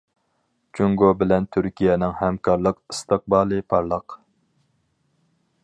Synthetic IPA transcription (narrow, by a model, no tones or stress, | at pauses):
t͡ʃʰuŋɡobɪlɛnt̪ʰyɾkʲijɛnɪŋhɛmkʰɑɾlˠəqɨst̪ɨq̚bɑːlˠɨpʰɑɾlˠəq